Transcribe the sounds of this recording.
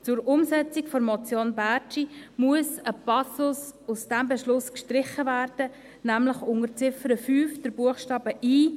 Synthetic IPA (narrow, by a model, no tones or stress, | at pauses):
t͡sʊɾʊmsɛt͡sikfɔɾmɔt͡sjoːnbæt͡ʃimuəsəpɑsʊsʊsd̥æmbɛʃlʊskʃtɾɪχəvæːɾd̥ə | næmləχʊŋət͡sɪfəɾəfyːfd̥əɾb̥uəχʃtɑːb̥əʔiː